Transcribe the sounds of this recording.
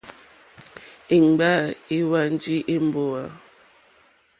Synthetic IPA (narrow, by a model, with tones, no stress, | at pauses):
i˨ŋ˨ba˦˨i˦wa˦n˦d͡ʒi˦ʔe˦m˦bo˨a˨